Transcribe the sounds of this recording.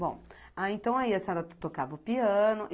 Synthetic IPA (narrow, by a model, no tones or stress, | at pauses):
bõ̰w̃ | aẽnt̪ɐ̃w̃aiɐsɔɾɐt̪t̪okavɐʊpiɐ̃nʊʔ